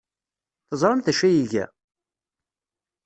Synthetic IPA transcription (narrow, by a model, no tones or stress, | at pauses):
θəzˤɾˤəmθæʃæjiʝæ̰